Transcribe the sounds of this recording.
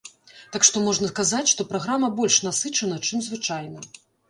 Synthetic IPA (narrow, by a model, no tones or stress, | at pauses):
t̪akʂt̪ɔmɔʐnɐkazat͡sʲʂt̪ɔpɾaɣɾamɐbɔlʲʂnasɨt͡ʂɐnɐt͡ʂɨmzvɨt͡ʂajnɐ